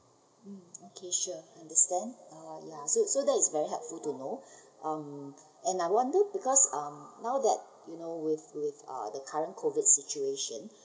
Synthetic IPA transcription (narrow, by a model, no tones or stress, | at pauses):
m̩okʰeʃuãndəstɛ̃ndajasosodɛtɪsvɛɹiɦɛlpfultuno | ʔʌ̃m | ɛ̃naɪwɔ̃ndəbikɔsʌ̃mnaʊdɛt̚ | junowɪθwɪθʌ̰dəkʰaɹə̃nkʰovidsit͡ʃueʃə̃n